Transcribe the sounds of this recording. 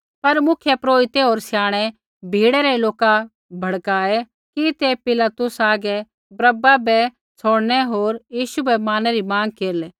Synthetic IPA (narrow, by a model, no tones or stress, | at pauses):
pɐɾmʊkʰjɛpɾoːit̪eɦoːɾsɪjaːɽ̃ɛ | bʱiːɽɛɾɛloːka | bʱɐɽkaːɛ | kit̪epɪlat̪ʊsaːɡɛ | bɾɐbabɛ | t͡sʰoːɽnɛɦoːɾjiːʃubɛmaːnɛɾimãːŋkeːɾleː